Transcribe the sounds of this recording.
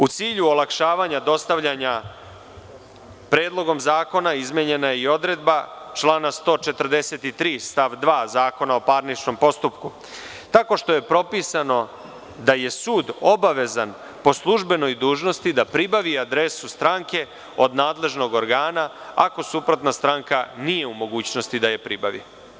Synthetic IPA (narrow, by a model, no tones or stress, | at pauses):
ut̪siːʎuolakʃaːʋaɲad̪o̞st̪aʋʎaɲa | pɾeːd̪lˠo̞ɡo̞mzaːko̞naizmjeɲe̞najeio̞d̪ɾe̞d̪bat͡ʃlˠaːnast̪o̞ːt͡ʃe̞t̪əɾd̪eset̪it̪ɾiːst̪aʋd̪ʋaːzaːko̞nao̞paɾnit͡ʃno̞mpo̞st̪upku | t̪ako̞ʂt̪o̞je̞pɾo̞pisano̞ | d̪aje̞suːd̪o̞baʋe̞zan | po̞slˠuʒbe̞no̞jd̪uːʒno̞st̪id̪apɾibaʋiad̪ɾesust̪ɾaŋke̞ | o̞d̪naːd̪le̞ʒno̞ɡo̞ɾɡaːnaako̞supɾo̞t̪nast̪ɾaŋkanije̞umo̞ɡuːt͡ɕno̞st̪id̪ajepɾibaʋḭ